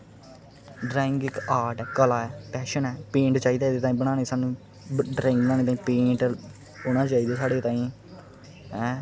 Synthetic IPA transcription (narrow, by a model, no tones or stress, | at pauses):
ɖɾaːɪ̃ŋɡɪkaːɾʈɛːkəlaːɛːpɛːʃənɛːpẽːɳʈt͡ʃaːiːd̪aːed̪eːt̪aːĩːbəɽ̃ãːñeːsaːnũː | ɖɾaːɪ̃ŋɡnãːñeːt̪aːĩːpẽːɳʈ | ɦoːñãːt͡ʃaːiːd̪aːsaːɽeːt̪ãːĩː | ɛ̃ː